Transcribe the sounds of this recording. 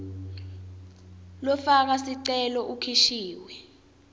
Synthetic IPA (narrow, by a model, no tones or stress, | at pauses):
lɔfak̬asiǀɛlɔʔukʰiʃiːwɛ